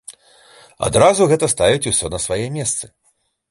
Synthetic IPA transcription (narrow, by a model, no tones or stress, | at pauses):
a̰d̪ɾazuɣɛt̪ɐst̪avʲit͡sʲusʲɔnɐsvajɛmʲɛst̪sɨ